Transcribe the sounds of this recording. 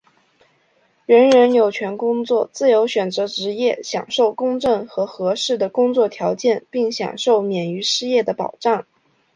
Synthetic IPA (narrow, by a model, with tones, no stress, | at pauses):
ɻə˧˥nɻə˧˥njo˨˩ʊt͡ɕʰɥɛ˧˥nkʊ˥ŋt͡swɔ˥˧t͡sɹ̩˥˩jo˧˥ʊɕɥɛ˨˩nt͡sɤ˧˥ʈ͡ʂɻ̩˧˥jɛ˥˩ɕjɑ̰˨˩ŋʂo˥˩ʊkʊ˥ŋʈ͡ʂɤ˥˩ŋxɤ˧˥xɤ˧˥ʂɻ̩˥˩d̪ə˩kʊ˥ŋt͡swɔ˥˩t̪ʰjɑ˧˥ʊt͡ɕjɛ˥˧npi˥˩ŋɕjɑ̰˨˩ŋʂo˥˩ʊmjɛ˨˩ny˧˥ʂɻ̩˥˧jɛ˥˩d̪ə˩pɑ̰˨˩ʊʈ͡ʂɑ˥˩ŋ